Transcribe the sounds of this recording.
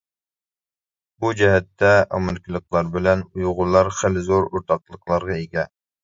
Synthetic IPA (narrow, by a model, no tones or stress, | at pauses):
bud͡ʒɛɦɛt̪ʰːɛʔɑ̰mɪlkʲʰɪlˠəqlˠɑɾbɪlɛnujʁʊlˠɑɾχelɪzoɾoɾt̪ʰɑq̚lˠəqlˠɑɾʁɑeɡʲɛ